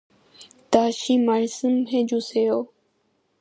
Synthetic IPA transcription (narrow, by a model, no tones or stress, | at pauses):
t̪aːʃiːmaɻsəmɦẽːd͡ʒusejoː